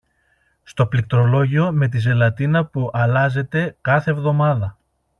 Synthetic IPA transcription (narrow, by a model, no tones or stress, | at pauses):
st̪o̞plik̚t̪ɾo̞lo̞ʝio̞me̞t̪ize̞lɐt̪inɐpuʔɐlɐze̞t̪e̞kɐθe̞vðo̞mɐðɐ